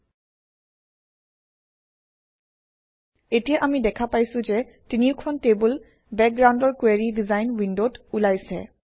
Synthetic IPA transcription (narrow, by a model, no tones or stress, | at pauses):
etijaʔamidɛkʰapajsʊ̃zɛ | tiniʊkʰɔntebul | bɛk̚ɡɹawndɔɹkweɹidizajnwindotulajsɛ̰